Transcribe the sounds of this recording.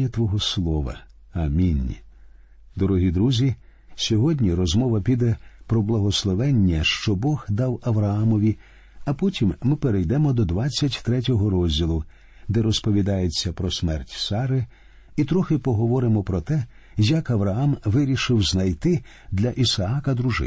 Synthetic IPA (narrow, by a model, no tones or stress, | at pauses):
ɐt̪ʋɔɦɔslˠɔʋɐ̰ | ɐmʲinʲ | d̪ɔɾɔɦʲid̪ɾuzʲi | sʲɔɦɔdʲnʲiɾɔzmɔʋɐpʲid̪ɛpɾɔblˠɐɦɔslˠɔʋɛnʲːɐʃt͡ʃɔbɔɣd̪ɑwɐʋɾɐɑmɔʋʲi | ɐpɔtʲimːɪpeɾejd̪ɛmɔd̪ɔd̪ʋat͡sʲːɐtʲt̪ɾɛtʲɔɦɔɾɔzʲdʲilˠʊ | d̪ɛɾɔspɔʋʲid̪ɑjet͡sʲːɐpɾɔsmɛrtʲsɑɾɪ | it̪ɾɔxɪpɔɦɔʋɔɾɪmɔpɾɔt̪ɛ | jɐkɐʋɾɐamʋɪɾʲiʃɪwznɐjt̪ɪ | d̪lʲɐʔisɐakɐd̪ɾuʒɪ̰